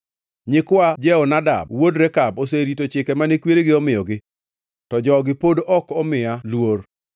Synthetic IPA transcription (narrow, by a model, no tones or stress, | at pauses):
ɲɪkwad͡ʒɛɔnada̰bwodɾɛkaboseɾitot͡ʃɪkɛmanekweɾeɡɪɔmɪɔɡɪ | tɔd͡ʒɔɡɪpodʔɔkɔmɪjalwor